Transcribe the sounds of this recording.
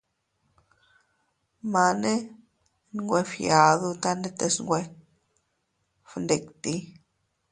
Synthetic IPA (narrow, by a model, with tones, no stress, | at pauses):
ma˧ne˦ | n˦ŋɡʷe˧fja˨ðu˧t̪a˦ne˦t̪e˧sŋɡʷe˧ | fnd̪e˨kt̪i˧˦